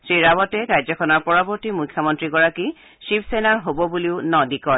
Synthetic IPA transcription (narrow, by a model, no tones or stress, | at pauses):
sɹiɹabɔtɛkajzɔkʰɔnɔɹpɔɹɔbɔɹtimujkʰːjɔmɔntɹiɡɔɹaki | ʃipʰsenaɹɦobɔbuliʊnɔdikɔ